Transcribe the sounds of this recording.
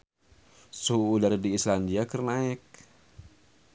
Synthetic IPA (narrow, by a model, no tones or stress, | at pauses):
suulardiːslandiakərnaɪk̚